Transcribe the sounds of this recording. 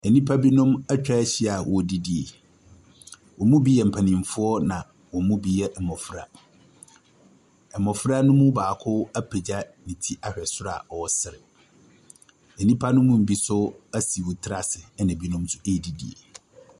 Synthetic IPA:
ɛ˨nĩ˦pʰa˦bi˦nʊ̃˦mæ˦t͡ɕᶣa˦ɕi˦a˨wʔɔ˨di˦di˨ḛ˨ | wɔ˨mũ˦bi˦jɛ˨m̩˨pʰa˨nɪ̃˨m˨fʊ˦ɔ˦nã˨ | wɔ˨mũ˦bi˦jɛ˦ʔɛ˨mɔ˨fɾa̰˨ | ɛ˨mɔ˨fɾa˦nʊ̃˦mũ˦baː˨kʰʊ˦æ˦pʰe˨d͡ʑa˦nĩ˨tʰi˦ʔa˨ɕᶣɛ˨sʊ˦ɾa̰˨ɔ˨ɔ˨˦sɪ˨ɾɪ˨ | ɛ˨nĩ˦pʰa˦nʊ̃˦mũ˦m̩˨bi˦sʊ˦æ˦si˨wo˨tʰɪ˦ɾa˨sɪ˨ɛ˦nã˨bi˦nʊ̃˦msʊ̥˦e˦˨di˨dḭ˨ḛ˨

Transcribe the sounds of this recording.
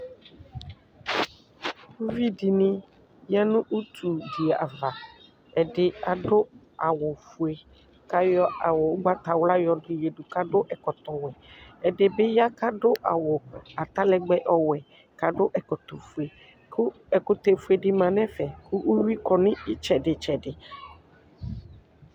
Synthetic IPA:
u˦vi˦dɪ˨nɪ̃˦ | ja˦nʊ̃˦ʔu˦t̪ʰu˨di˨a˨va˨ | ɛ˨dɪ˨a˨dʊ˦ | a˨wʊ˨fu˨e˨ | ka˨jɔ˦a˨wʊ˨ʊ˦ɡ͡ba˦t̪a˨wla˦jɔ˨dʊ˨je˨dʊ˨ka˦dʊ˦ʔɛ˨kɔ˨t̪ɔ˨wɛ˨ɛ˨dɪ˨bɪ˦ja˦ka˦dʊ˦ʔa˨wʊ˨a˨t̪a˦lɛ˦ɡ͡bɛ˦ʔɔ˦wɛ˨ | ka˨dʊ˦ʔɛ˨kɔ˨t̪ɔ˨fu˨e˨ | kʰʊ˦ | ɛ˨kʊ˦t̪e˨fu˦e˨dɪ˨mã˨nɛ̃˦fɛ˨kʊ˦ʔʊ˦wi˦kɔ˨nɪ̃˦ɪ˦t͡ʃɛ˨dɪ˨t͡ʃɛ˨dɪ˨

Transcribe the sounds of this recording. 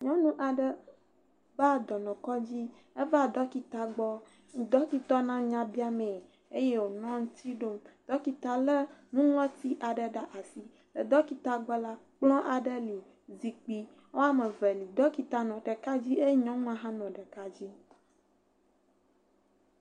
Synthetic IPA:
ɲɔ̃˦nũ˦ʔa˨ɖə˦ | ba˦˨d̪ɔ˨nɔ̃˨kɔ˦d͡ʑi˦ | e˦va˦˨d̪ɔ˦ki˨t̪a˨ɡ͡bɔ˦˨ | d̪ɔ˦ki˦t̪ɔ˦nã˦ɲã˦bi˦a˦mẽ˨ | e˦je˦wo˨nɔ̃˦ŋũ˦t̪ʰi˦ɖo˦md̪̥ɔ˦ki˨t̪a˨lə˦nũ˦ŋɔ̃˦t̪i˦ʔa˨ɖə˨ɖa˦ʔa˨si˦ | lə˨d̪ɔ˦ki˨t̪a˨ɡ͡bɔ˦la˦k͡plɔ̃˦ʔa˨ɖə˦li˨ | zi˨k͡pi˦ | wo˦a˨mə˨vɛ˨li˨d̪ɔ˦ki˨t̪a˨nɔ̃˨ɖɛ˨ka˦d͡ʑi˦e˦ɲɔ̃˦ŋ˦ã˦ɦã˦nɔ̃˨ɖə˨ka˦d͡ʑi˦

